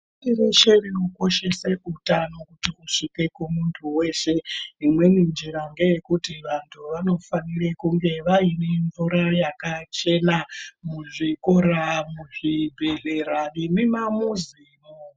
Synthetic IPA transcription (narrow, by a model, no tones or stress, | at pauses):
tireʃe̞riuko̞ʃe̞seutano̞kutiuʂike̞kumuntʰuwe̞ʃe̞imwe̞nind͡ʒiɾaŋɡe̞je̞kutiʋantʰuʋano̞fanirekuŋɡe̞ʋaineɱvuɾajakat͡ʃe̞namuʐiko̞ɾamuʐibʱe̞ɮe̞ɾanimimamuziːno